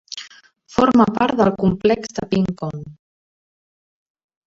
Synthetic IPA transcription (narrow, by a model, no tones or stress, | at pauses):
fɔɾmapaɾt̪ðəlˠkumplɛksd̪əpiŋkon